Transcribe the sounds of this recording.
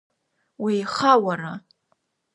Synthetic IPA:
wiːχawara

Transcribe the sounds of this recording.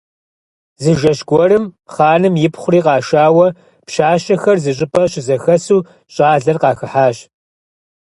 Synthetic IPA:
zɨʒɐʃɡʷɔrɨmχɑːnɨmjɪpχʷʊriːqɑːʃaːwɐ | pʃaːʃɐxɐrzɨɕ̬ʼɪpʰɐɕɪzɐxɐsuː | ɕʼaːɮɐrqɑːxɨħaːɕ

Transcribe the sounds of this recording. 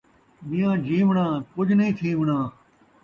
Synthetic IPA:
ɓijãːd͡ʒiːʋɳãːkʊd͡ʒʱnĩːt̪ʰĩːʋɳãː

